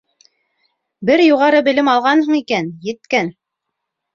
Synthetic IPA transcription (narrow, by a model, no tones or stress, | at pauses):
bɘɾjuʁɑɾɤbɘ̆lɘmɑlˠʁɑnhɤɴikænjɘ̆t̪kæn